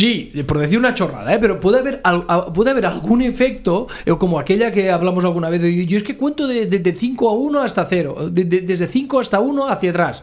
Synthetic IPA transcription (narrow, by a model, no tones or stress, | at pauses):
sipoɾðeθiɾunat͡ʃo̞ra̰ða̰epeɾopweðeaβeɾalɣapweðeaβe̞ɾalɣunefek̚t̪o | okomoakeʎakeaβlamosalɣ̞unaβ̞eθeojoeskekwe̞nt̪oðeðeðeθiŋkoaunoast̪aθeɾo̰ded̪ed̪ezðeθiŋkoast̪aunoaθjat̪ɾas